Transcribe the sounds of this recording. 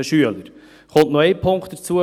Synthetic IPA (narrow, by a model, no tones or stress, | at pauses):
əʃyələɾ | χʊnt̪nɔɛɪpʰʊŋkχt̪̚d̥əɾt͡suə